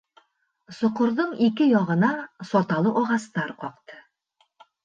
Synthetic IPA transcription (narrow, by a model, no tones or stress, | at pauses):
sŏqŏɾðɤɴikɘjɒʁɤ̆nɑsɒt̪ɑlˠɤʔɒʁɑst̪ɑɾqɒqt̪ɤ̥